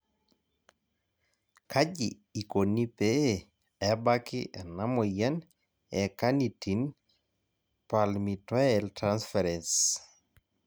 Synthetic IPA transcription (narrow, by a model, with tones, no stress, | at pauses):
kʰa˦ɟiː˨ | ko˨ni˦pe˦ | ɛbakɪ˦ʔɛ˨na˦mɔ˨jɛ˦n | ɛkanitin | pa˨lmita˦ɛltɾansfɛɾɛns